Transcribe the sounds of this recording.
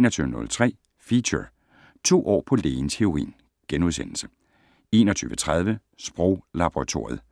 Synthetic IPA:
enɒt͡sʰyːʊənɔ̽lt͡sʰʁɛ̰ː | fiɕə | t͡sʰo̝̰ːʔɒ̰ːpʰɒ̽leːɪnsʰe̝o̝ʁḭːn | ɡ̥enuðˠsen̰l̩sə̥ | e̝̰ːnɒt͡sʰyːʋət͡sʰʁɑðˠʋə | sb̥ʁɔʊlɑ̈b̥oʁɑ̈t͡sʰo̝̰ɐjð̩ˠ

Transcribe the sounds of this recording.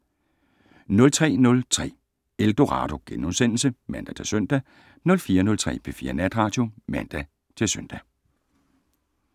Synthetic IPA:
nɔ̽lt͡sʰʁɛ̰ːnɔ̽lt͡sʰʁɛ̰ː | eld̥o̝ʁɑ̈ːd̥o̝ɡ̥enosen̰l̩səmæn̰d̥æt͡sʰe̝søn̰d̥æ | nɔ̽lfiːɐnɔ̽lt͡sʰʁɛ̰ːpʰefiːɐnæd̥ʁɑ̈ːd̥jo̝mæn̰d̥æ | t͡sʰe̝lsøn̰d̥æ

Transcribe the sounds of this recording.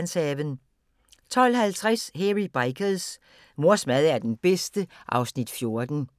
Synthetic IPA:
nsɛʋən | t͡sʰɒ̽l̰hælt͡sʰʁasheʁib̥ɑ̈ɪkʰəls | mo̝ɐ̰smæð̞ˠæɐd̥enb̥esd̥əʔɑ̈ʊsnid̥fjo̝ɐd̥n̩

